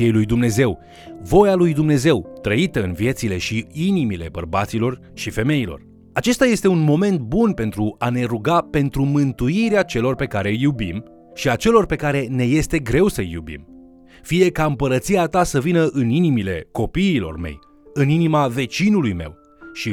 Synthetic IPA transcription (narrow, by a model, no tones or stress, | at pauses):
iejlujd̪umne̞ze̞w | vo̞jalujd̪umne̞ze̞wt̪ɾəit̪əɨnvije̞t̪sile̞ʃiinimile̞bərbat̪silo̞r | ʃife̞me̞ilo̞̰r | at͡ʃe̞st̪aje̞st̪e̞unmo̞me̞nt̪̚bunpe̞nt̪ɾuane̞ɾuɡape̞nt̪ɾumɨnt̪uiɾeat͡ʃe̞lo̞rpe̞kaɾe̞jubim | ʃiat͡ʃe̞lo̞rpe̞kaɾe̞ne̞je̞st̪e̞ɡɾe̞wsəjṵbḭm | fije̞kaɨmpəɾət̪siat̪asəvinəʔɨninimileko̞piːlo̞̰rme̞̰j | ɨninimave̞t͡ʃinulujme̞̰w | ʃi